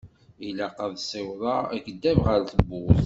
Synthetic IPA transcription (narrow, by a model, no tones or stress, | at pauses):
ilaqɑðˤsˤewðˤɑæ̰ɡəd̪ːævʁəɾθəbːʊθ